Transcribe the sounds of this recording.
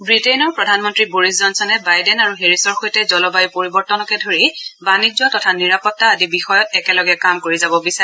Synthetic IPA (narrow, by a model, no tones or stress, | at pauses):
bɹitenɔɹpɹɔdʱanmɔntɹiboɹiszɔnsɔnɛbajdɛnaɹuɦeɹisɔɹxojtɛzɔlɔbajupoɹibɔɹtɔnɔkɛdʱoɹibanizʊatɔtʰaniɹapɔtːaadibixɔjɔtɛkɛlɔɡɛkamkoɹizabɔbisaɛ